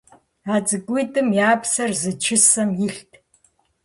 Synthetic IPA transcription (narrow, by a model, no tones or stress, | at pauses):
aːt͡sʼɨɡʷʼijtʼɨmjaːpsɐrzɨt͡ʃʰɪsɐmjɪɬtʰ